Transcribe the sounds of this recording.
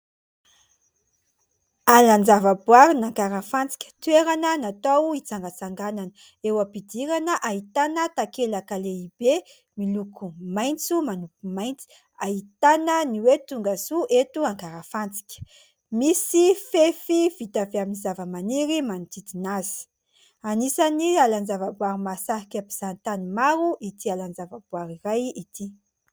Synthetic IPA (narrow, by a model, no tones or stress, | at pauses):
aland͡zavəbuaɾinaŋɡaɾəfant͡si̥kʲə̥t̪weɾanənat̪awit͡saŋɡat͡saŋɡananə | ewapid̪iɾanəʔait̪anət̪akelakaleib̥e | milukʰumajnt͡sumanukumajnt͡si̥ | aɦit̪anəniwet̪uŋɡasuʔet̪uaŋɡaɾafant͡si̥kʲə̥ | misifefivit̪aveaminizavəmaniɾimant̪id̪inazi̥ | anisanialand͡zavabuwaɾimasaɦikapiz̥ant̪animaɾuʔit̪ialanzavabuaɾirajit̪ʰi